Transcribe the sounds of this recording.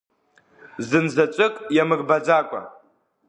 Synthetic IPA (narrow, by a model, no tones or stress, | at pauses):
zɨnzat͡ʃʷʼɨkʼjamɨɡbad͡zakʷʼa̰